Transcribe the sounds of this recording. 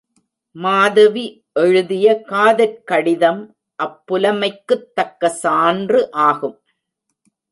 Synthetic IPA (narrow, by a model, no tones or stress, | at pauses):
maːðɐʋi | ʔɛɻɯðɪjɐkaːðɐɾkɐɽɪðɐm | ʔɐpːʊlɐmɐɪkːɯt̪ːɐkːɐsaːndrɯʔaːɣɯm